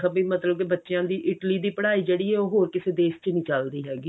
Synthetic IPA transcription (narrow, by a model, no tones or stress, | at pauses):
kəbĩːmət̪ləb̚kebətːʃjãːd̪iːʔɪʈliːd̪iːpəɽaːiːd͡ʒeːɽiːɦɛːoːɦoːɾkɪseːd̪eːst͡ʃənĩːt͡ʃəld̪iːɦɛːɡiː